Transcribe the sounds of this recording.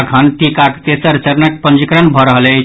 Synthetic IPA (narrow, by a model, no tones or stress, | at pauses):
kʰʌnʈ̪ikakt̪esəɾt͡ʃəɾnək̚pənd͡ʒikɾənbʱʌɾʌɦle